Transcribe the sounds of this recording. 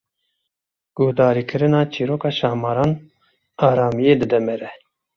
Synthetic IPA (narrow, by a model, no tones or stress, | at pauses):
ɡ̥ʊhd̪ɑːɾiːkʰɨɾɨnɑːt͡ʃʰiɾoːkɑːʃɑːmɑːɾɑːn | ɑːɾɑːmijeːd̪ɨd̪ɛmɛɾɛ